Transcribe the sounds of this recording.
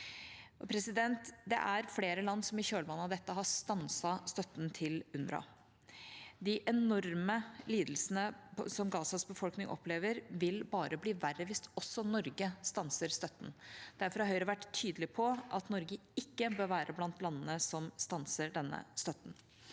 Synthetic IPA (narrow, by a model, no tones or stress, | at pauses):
ɔpʰɾɛsɪd̪ɛnt̪d̪ɛ̰ʔæɾfleːɾəlɑnːsɔmɪçøːlbɑːnɑd̪ɛt̪ːəɦɑst̪ɑnsɑst̪œt̪ːnt̪ʰɪlʉnɾɑ̰ | d̪ɪʔɛnɔɾməliːd̪l̩sənəsɔmɡɑːsɑsbəfɔlknɪŋʔɔ̰pʰleːʋəɾʋɪlbɑːɾəbliːʋæɾəʋɪst̪ɔsːɔnɔɾɡəst̪ɑnsəɾst̪œt̪ːn̩d̪̥æɾfɔɾhɑɾɦœʏɾəʋæʈːt̪ʰːyːd̪əlɪpʰɔʔɑt̪nɔɾɡəɪkːəbøːɾʋæːɾʔəblɑnt̪lɑnːənəsɔmst̪ɑnsəɖɛnːə̰st̪œt̪ːn̩